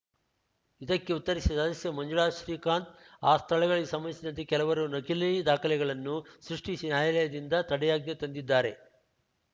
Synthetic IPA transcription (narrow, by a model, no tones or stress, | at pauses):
id̪ɐkːe̞ut̪ːɐɾisisad̪ɐsjɐmɐɲd͡ʒuɭaːʃɾiːkaːnt̪aːst̪ʰɐɭɛɡɐɭiɡesɐmːɐnisid̪ɐnt̪ekɛlɐʋɐɾunɐkilɐjid̪aːkʰɐlɛɡɐɭɐnːusɾuʂʈisinaːjɐlɛjɐd̪ind̪ɐt̪ɐɽɛjaːɡ̚nɐt̪ɐnd̪id̪ːaːɾe̞